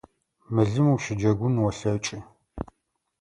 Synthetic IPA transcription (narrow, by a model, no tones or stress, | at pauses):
mɨɮɨmwʃɪd͡ʒɐɡʷʊnwɔɬɐt͡ʃʼɪ